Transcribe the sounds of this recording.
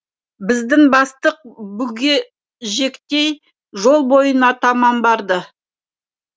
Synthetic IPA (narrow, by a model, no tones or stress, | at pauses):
bɪzd̪ɪŋbɑst̪əq̚bʏɡʲe̞ | ʒe̞kt̪e̞j | ʒo̞lˠbo̞jənɑt̪ʰɑmɑmbɑɾd̪ə